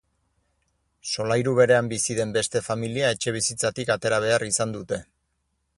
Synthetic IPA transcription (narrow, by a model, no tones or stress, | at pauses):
so̞lajɾuβe̞ɾe̞ambisiðe̞mbe̞st̪e̞familiae̞t͡ʃe̞β̞isit͡sat̪ikat̪e̞ɾaβ̞e̞arisand̪ut̪e̞